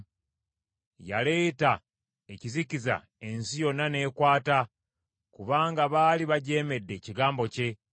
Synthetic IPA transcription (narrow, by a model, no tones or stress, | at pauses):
jale̞ːta | e̞ciziciza̰ | e̞nsijo̞nːane̞ːkwaːta | kuβaːŋɡaβaːliβaɟe̞ːme̞dːe̞ciɡaːmbo̞ce̞